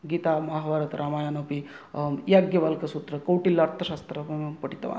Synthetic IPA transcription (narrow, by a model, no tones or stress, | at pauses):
ɡiːt̪amɐɦʋaɾɐt̪ɾʔamaːjaːnopi | jaɡjɐʋalkɐsut̪ɾɐkɐwʈilːɐɐɾt̪ʰɐʃaːst̪ɾɐpɐʈit̪ɐʋa̰